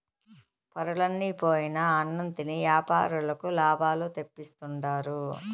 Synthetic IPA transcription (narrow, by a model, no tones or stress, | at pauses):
pɐɾuɭɐnːipoːjinɐːnːɐnt̪iniʋjaːpa̰ːɾulɐkulaːbʱaːlut̪e̞pːist̪uɳɖaːɾu